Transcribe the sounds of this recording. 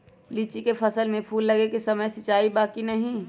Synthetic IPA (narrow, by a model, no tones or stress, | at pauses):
liːt͡ʃikepʰɐsəlmẽpʰuːlːɐɡekesɐməjsɐt͡ʃaːibaːkinɐɦĩ